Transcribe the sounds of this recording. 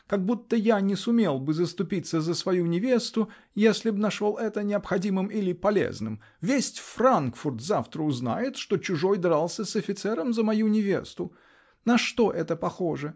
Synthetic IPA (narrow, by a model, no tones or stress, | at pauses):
kɐɡ̚but̪ːəjanʲɪsʊmʲe̞lˠbɨzəst̪ʊpʲit̪sːəzəsvɐjunʲɪvʲe̞st̪ʊ | jesʲlʲɪbnɐʂolˠʔɛt̪ənʲɪɐpxɐdʲimɨmilʲɪpɐlʲḛznɨm | vʲesʲtʲfrankfʊrt̪zaft̪ɾəʊzna̰jɪt̪ʂt̪o̞t͡ɕʊʐojd̪ɾalˠsʲəsɐfʲɪt̪sɛɾəmzəmɐjunʲɪvʲe̞̰st̪ʊ | nɐʂt̪o̞ʔɛt̪əpɐxo̞ʐɨ